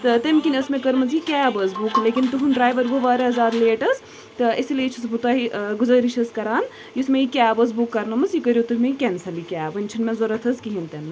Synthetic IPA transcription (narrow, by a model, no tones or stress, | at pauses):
t̪ɨt̪emkʲinɐsmẽkɐɾmɐzikʲaːbɐzbukleːkint̪uɦunɖɾaːjʋɐɾʋoʋaːɾeɐzaːɾleːʈɐs | t̪ɨisilʲeːt͡ʃʰɐsbut̪aːɦiɡuzɐɾit͡ʃʰɐskɐɾaːn | jusmejikʲaːbɐz̬bukːɐɾnɐmɐsjikɐɾʲjot̪uɦmeikʲɛnsɐlikʲaːbɐnʲt͡ʃʰinmɛ̃zoɾɐt̪ʰɐzkiɦint̪emːe